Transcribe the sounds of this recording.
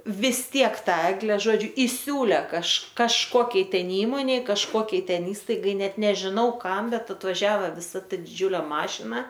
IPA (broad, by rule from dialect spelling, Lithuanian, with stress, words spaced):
ʋʲɪs ˈtʲiɛk ˈtɑː ˈæːɡlʲɛ ˈʒoːd͡ʒʲʊ ɪˈsʲuːlʲeː kɐʃ kɐʃˈkoːkʲɛɪ ˈtʲɛn ˈiːmoːnʲɛɪ kɐʃˈkuɔkʲɛɪ ˈtʲɛn ˈiːstɐɪɡɐɪ ˈnʲɛt nʲɛʒʲɪˈnɐʊ ˈkɐm ˈbʲɛt ɐtʋɐˈʒʲæːʋɐ ʋʲɪˈsɐ ˈtɐ dʲɪˈd͡ʒʲuːlʲeː ˈmɑːʃʲɪnɐ